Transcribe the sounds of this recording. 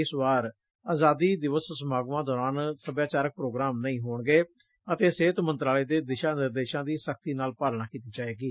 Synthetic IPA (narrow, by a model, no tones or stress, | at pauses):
ɪsʋaːɾ | aːzaːd̪iːd̪ɪʋəssəmaːɡʋãːd̪ɔːɾaːnsəbjaːt͡ʃaːɾək̚pɾoːɡɾaːmnəĩːɦoːɳɡeː | ət̪eːseːt̪mə̃nt̪ɾaːleːd̪eːd̪ɪʃaːnɪɾd̪eːʃãːd̪iːsəkʰt̪iːnaːlpaːlnaːkiːt̪iːd͡ʒaːeːɡiː